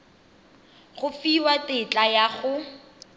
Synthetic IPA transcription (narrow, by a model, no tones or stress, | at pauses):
χʊfiwatɪt͡ɬʼajaχʊ